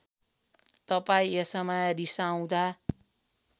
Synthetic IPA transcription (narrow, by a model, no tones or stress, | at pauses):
t̪ʌpaĩesʌmarisaw̃d̪ʱa